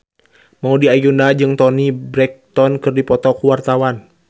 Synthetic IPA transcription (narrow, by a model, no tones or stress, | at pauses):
maudiajundad͡ʒɨŋt̪ɔnibɾɛk̚t̪ɔnkɨrdipɔt̪ɔkwart̪awan